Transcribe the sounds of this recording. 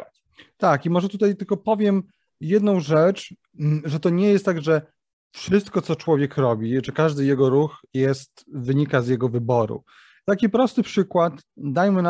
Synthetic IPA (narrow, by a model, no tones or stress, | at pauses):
t̪akimɔʐɛt̪ut̪ajt̪ɘlkɔpɔvʲjɛm | jɛd̪nɔ̃w̃ʐɛt͡ʂ | ʐɛt̪ɔɲɛjɛst̪ːaɡʐɛ | fʂɘst̪kɔt̪sɔt͡ʂwɔvʲjɛkɾɔbʲiʐɛkaʐd̪ɘjɛɡɔɾuxjɛst̪vɘɲikazjɛɡɔvɘbɔɾṵ | t̪akʲipɾɔst̪ɘpʂɘkwat̪d̪ajmɘna